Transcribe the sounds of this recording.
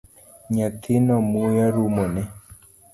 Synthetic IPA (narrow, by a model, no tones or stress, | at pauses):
ɲakʰɪnɔmujaɾumɔnɛ